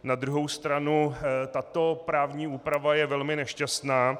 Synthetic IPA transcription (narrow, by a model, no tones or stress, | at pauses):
nad̪ɾuɦo̞wst̪ɾanut̪at̪o̞pɾaːvɲiːuːpɾavajɛvɛlmɪnɛʃcast̪naː